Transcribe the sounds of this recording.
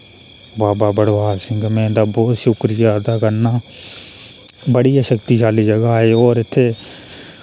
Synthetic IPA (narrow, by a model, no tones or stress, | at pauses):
baːbaːbəɽʋaːlsɪ̃ŋɡmẽːd̪aːbɔːt̪ʃʊkɾijad̪aːkəɾnaː | bəɽijaʃəkt̪iʃaːlid͡ʒəɡaɦeːɔːɾɪt̪ʰːe